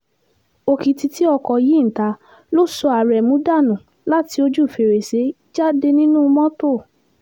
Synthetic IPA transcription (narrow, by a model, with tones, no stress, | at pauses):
o˧ki˨ti˧ti˨˦ɔ˧kɔ˨ji˨˦n̩˨ta˧˦ | lo˦sɔ˧a˨ɾɛ˨mũ˨˦da˦˨nũ˨ | la˦ti˧˦o˧d͡ʒu˦˨fe˨ɾe˨se˨˦ | d͡ʒa˦de˧nĩ˦nũ˦˧mɔ̃˦to˦˨